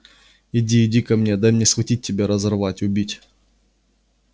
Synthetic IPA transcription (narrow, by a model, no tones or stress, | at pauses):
ɪdʲiɪdʲikɐmnʲed̪amnʲesvɐtʲit̚ʲːɪbʲeɾɐzɐrvatʲʊbʲitʲ